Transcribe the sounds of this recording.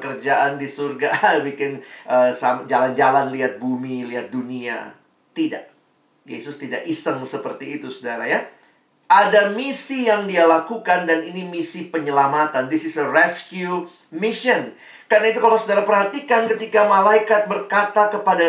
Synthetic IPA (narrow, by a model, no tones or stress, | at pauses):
kərd͡ʒaʔandisurɡabikɪnʔəsamd͡ʒaland͡ʒalanliɦat̪̚bumiliɦat̪̚dunia̰ | t̪ida̰ʔ | jḛsʊst̪ida̰ʔisəŋsəpərt̪iːt̪usudaɾaja | ʔadamisijaŋdialakukandaninimisipəɲəlamat̪andisɪsərɛskju | miʃən | karənait̪̬ukalawsudaɾapərhat̪ikankət̪ikamalaikat̪̚bərkat̪akəpada